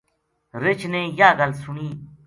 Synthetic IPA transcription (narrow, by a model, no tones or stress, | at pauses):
ɾɪt͡ʃʰneːjaːɡəlsuɳiː